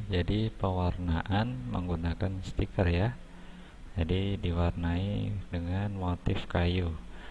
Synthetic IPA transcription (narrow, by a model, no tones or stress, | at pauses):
d͡ʒadipəwarnaʔanmə̰ŋɡunakanst̪ikərja | d͡ʒadidiwarnaḭdəŋanmot̪ɪfkaju